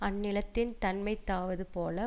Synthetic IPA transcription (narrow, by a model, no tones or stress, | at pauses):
ɐnːɪlɐt̪ːɪnt̪ɐnmɐɪt̪ːaːʋɐðɯpoːlɐ